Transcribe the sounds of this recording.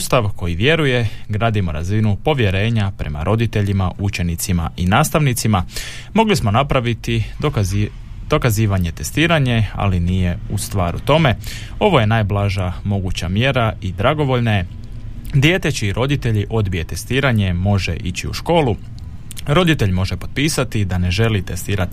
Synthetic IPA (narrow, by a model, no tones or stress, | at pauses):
ust̪aʋko̞jiʋje̞ɾuje̞ɡɾaːd̪imo̞ɾa̰zinupo̞ʋje̞ɾe̞ːɲapɾe̞̰ma̰ɾʔo̞d̪it̪e̞ʎima̰ut͡ʃe̞nit̪sima̰ʔinaːst̪aʋnit̪sima | mo̞ɡlismo̞napɾaʋit̪i | d̪̥o̞kaziːʋaɲe̞t̪e̞st̪iːɾaɲe̞a̰linije̞ust̪ʋaːɾṵt̪o̞me̞ | o̞ʋo̞je̞najblˠaʒamo̞ɡut͡ɕamje̞ɾaid̪ɾaɡo̞ʋo̞ʎnaje | d̪je̞ːt̪e̞t͡ɕiiɾʔo̞d̪it̪e̞ʎiʔo̞d̪bije̞t̪e̞st̪iːɾaɲe̞mo̞ʒe̞̰ʔit͡ɕiṵʃko̞ːlu | ɾo̞d̪it̪e̞ʎmo̞ʒepo̞̥d̪̚piːsat̪id̪ane̞ʒe̞lit̪est̪iːɾat̪i